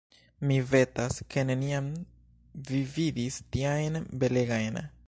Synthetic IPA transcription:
mive̞taskʰe̞ne̞niam | vividistiajnbe̞le̞ɡajn

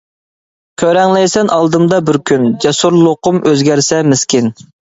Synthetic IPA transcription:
kʲʰøɾɛŋlɛjsɛnʔɑlˠd̪ɨmd̪ɑbɪɾkʲynd͡ʒɛsuɾlˠoqʊmʔøzɡʲæɾsɛmɪskʲɪn

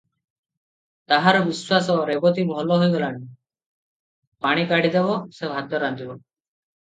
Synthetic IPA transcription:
t̪aɦaɾɔbiswasɔɾebɔt̪ibɔɦɔlɔɦojɡɔlani | paɽ̃ikaɽid̪eβɔsebʱad̪jɔɾand̪ibɔ

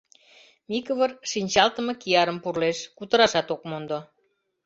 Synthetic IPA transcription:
mikəβərʃinʲt͡ɕɑlt̪ə̆mɤ̆kiɑɾəmpurleʃkut̪ə̆ɾɑʃɑt̪okmond̪o

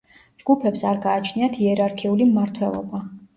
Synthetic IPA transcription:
d͡ʒɡ̥upʰɛpsaɾɡaːt͡ʃʰniat̪ʰiɛɾaɾkʰiulimmaɾt̪ʰwɛlˠɔ̰ba

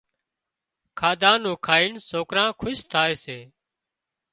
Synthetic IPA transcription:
kʰaːd̪ãːnũːkʰaːiːnsoːkɾãːkʰʊʃt̪ʰaːeːseː

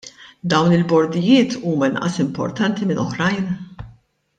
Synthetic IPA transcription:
d̪ɐwnɪlbɔɾd̪ɪjɪːt̪ʰuːmɐɪnʔɐ̰sɪmpɔ̰ɾt̪ɐnt̪imɪnʔɔħɾɐjn

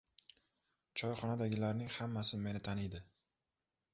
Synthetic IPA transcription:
t͡ʃʰɒjχɒnad̪aɡʲɪlaɾnɪŋhamːasɪme̞nɪt̪ʰanijd̪ɪ

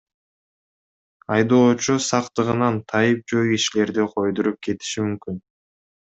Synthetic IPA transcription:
ɑjd̪o̞ːt͡ʃusɑqt̪ɯʁɯnɑnt̪ʰɑjɯp̚d͡ʒojɡiʃile̞ɾd̪iqʰo̞jd̪uɾup̚ke̞t̪i̥ʃimymkyn

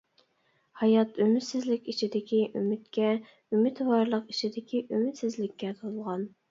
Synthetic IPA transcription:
hɑjɑt̪ymɪt̪sɪzlɪkʲit͡ʃʰid̪ɪkʲiʔymyt̪kʲɛ | ymɪt̪wɑɾlˠəqit͡ʃʰid̪ɪkʲiʔymɪt̪sɪzlɪkʲːɛt̪ʰolˠʁɑn

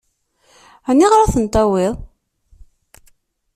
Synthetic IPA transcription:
ænːiʁɾˤaθənt̪ˤɑwiðˤ

